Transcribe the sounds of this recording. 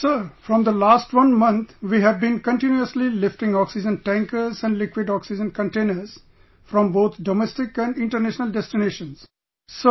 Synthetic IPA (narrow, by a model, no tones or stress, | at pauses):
səɾfɾɔ̃md̪əlaːsʈʋʌ̃nmʌ̃nt̪ʰʋiːɦæʋbĩnkə̃ɳʈɪ̃njuəslilɪfʈɪ̃ŋɔksɪd͡ʒə̃nʈæ̃ŋkəɾzɛ̃ɳɖlɪkwɪɖɔːksɪd͡ʒə̃nkə̃ɳʈẽːnəɾz̥ | fɾɔ̃mboːt̪ʰɖomɛsʈɪkæ̃ɳɖɪ̃ɳʈəɾnæʃnəlɖɛsʈɪneːʃə̃nz̥ | so